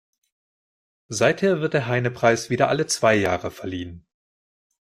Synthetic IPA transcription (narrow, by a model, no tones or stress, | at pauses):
zaɪtheːɐvɪɐt̚d̥eːɐɦaɪnəpʁ̥aɪsv̥iːdɐʔalət͡sv̥aɪjaːʁəfɛɐliːən